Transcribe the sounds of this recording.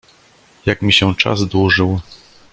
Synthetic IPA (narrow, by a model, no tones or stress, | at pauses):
jakmʲiɕɛ̃t͡ʂa̰zd̪wuʐɘw